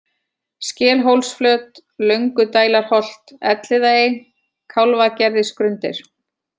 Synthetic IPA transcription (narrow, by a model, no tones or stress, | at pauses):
scɛːlɦowlsflœːt̪ | lœɥŋkʏt̪aːjlaɾ̥hɔl̥t̪ɛt̪lɪðaɪ | kʰawlvacɛɾðɪskɾʏnt̪ɪ̰ɾ̥